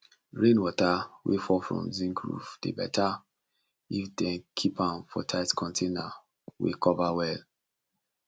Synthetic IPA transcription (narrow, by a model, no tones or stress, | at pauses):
ɹẽnwɔtawḛfɔfɹɔ̰̃mzĩŋkɹṵvd̥ḛbɛ̰tʰa | ifdɛ̃nkʰipãnfɔtʰaɪtkʰɔ̃ntʰena | wḛkɔvawɛl